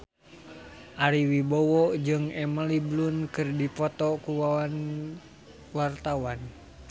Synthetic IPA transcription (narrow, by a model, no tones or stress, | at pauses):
ʔaɾiwibɔwɔd͡ʒɨŋɛməliblunkɨrdipɔt̪ɔkuwawan | wart̪awan